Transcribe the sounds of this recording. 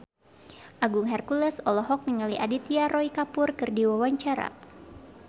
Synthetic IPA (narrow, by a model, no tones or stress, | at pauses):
ʔaɡuŋɦɛrkulɛsɔlɔɦɔk̚niŋaliʔadit̪iaɾɔikapʊrkɨrdiwawaɲt͡ʃaɾa̰